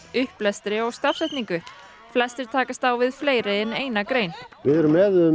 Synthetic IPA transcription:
ʏhplɛst̪ɾɪɔɣst̪afsɛjht̪niŋkʏ | flɛst̪ɪɾ̥t̪ʰaːkast̪awvɪðfleːjɾɪɛneːjnakɾeːjnvɪðɛɾʏmɛːðʏ

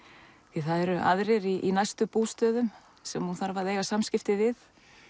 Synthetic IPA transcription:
θiθaðɛɾʏʔa̰ðɾɛɾiʔinajst̪ʏpuːst̪œːðʏm | sɛmhunθaɾvaɾðeːjɣasamscɪft̪ɪvɪθ

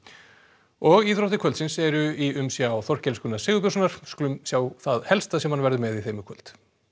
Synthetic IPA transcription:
ɔɣiθɾɔht̪ɪkʰvœlt̪sɪnsɛɾʏiʏmsjawθɔr̥cɛlskʏnasɪːɣʏp̬ows̬ʏnaɾ̥sklʏmsjaːwθaðhɛlst̪asɛmhanvɛɾðʏmɛðiθejmʏkʰœl̥t̪

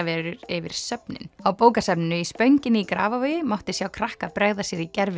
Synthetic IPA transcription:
vɛːɾʏɾɪvɪɾ̥sœpnɪ̰nawpoːwkasɛpnʏispœɥɲcɪnɪikɾa̰ːvavœːjɪmawht̪ɪsjaːwkʰɾahkapɾɛɣðasjɛɾicɛɾvɪ

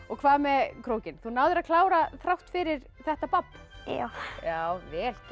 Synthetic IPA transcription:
ɔɣkʰvaːðmɛkʰɾoːwcɪnθunaːwðʏɾaðkʰlaːwɾaθɾawht̪fɪɾɪɾ̥ | θɛht̪apapːjawjaːwvɛːl̥c

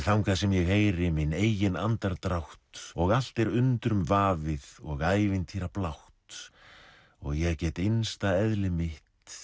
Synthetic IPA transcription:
θawmkʰɛðsɛmjɛɣhejɾɪmineːjjɪna̰nt̪aɾt̪ɾawht̪ɔɣal̥t̪ɛɾʏnt̪ɾʏmvaːvɪðɔɣaːjvɪnt̪ʰiɾaplawht̪ | ɔ̰ɣjɛɣcɛːt̪ejnst̪aɛðlɪmɪht̪

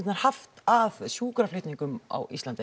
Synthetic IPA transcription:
t̪naɾ̥haft̪aðsjuːkɾaflʏːt̪niŋkʏma̰wʔist̪ant̪ɪ

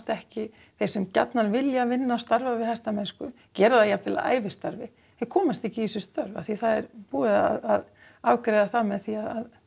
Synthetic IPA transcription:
t̪ɛhcɪ | θej̥sɛmca̰t̪nanvɪljavɪnːaːst̪aɾvavɪhajst̪amɛnskʏ | cɛːɾðajafɪla̰ʔa̰ːjvɪst̪aɾvɪ | θejkʰɔːmast̪ɛhcɪisɛ̥st̪œɾva̰θiθaðɛɾpuːɪða̰ðað | awkɾejðaθamɛðθiaað

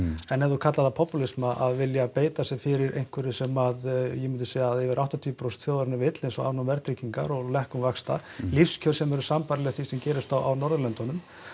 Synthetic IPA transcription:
ɛnːɛɾðukʰat̪laðapʰɔpulismaʔaðvɪljapeːjt̪asɛfɪɾɪɾʔḛjŋ̥kʰvɛɾɪsɛmaðjɛmʏnt̪ʏ̥sejaaðɛvɪɾʔawht̪at̪ʰiːʏpɾowst̪θjoːðaɾnavɪt̪lejnsɔa̰vnɔmvɛɾt̪ɾiciŋka̰ɾɔɣlɛhkʏmvakst̪a̰lifscʰœɾ̥sɛmɛɾʏsampaɾlɛt̪θvisɛmcɛːɾɪst̪awʔa̰wnɔɾðʏlɛnt̪ɔnʏm

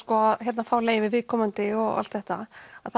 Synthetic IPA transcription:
kɔhɛt̪nafaːwleːjvɪvɪːðkʰɔmant̪ɪɔɣa̰lt̪ðɛht̪aaðθ

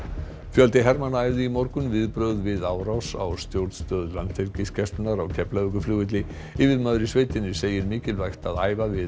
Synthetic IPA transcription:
fjœlt̪ɪɦɛɾmanːaɛjvðɪimɔɾkʏnvɪðpɾœɣðvɪðaːwɾawsa̰wst̪jowɾt̪st̪œːðlant̪fʰɪɾcɪscɛst̪ʏnaɾawcʰɛplaʏkʏfluːɣɪt̪lɪ | ɪvɪðmœðɾɪsveːjt̪ɪnːɪ̥seːjɪɾmiːcɪlvajxt̪aðaːjvavɪ

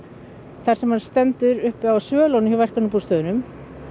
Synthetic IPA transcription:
θaɾ̥sɛmhanst̪ɛnt̪ʏɾʏhpawsœːlownʏçivɛr̥kanʏpu̥st̪œːðʏnʏm

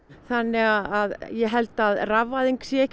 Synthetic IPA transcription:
θanːɛɣaðaðjɛɦɛlt̪aðravːaðiŋksjɛːc

